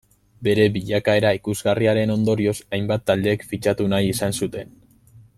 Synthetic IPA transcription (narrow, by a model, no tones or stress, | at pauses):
be̞ɾe̞βiʎakae̞ɾaikuzɣariaɾe̞no̞nd̪o̞ɾio̞sajmbat̪ːald̪e̞ːkfit͡ʃat̪unajisansut̪e̞n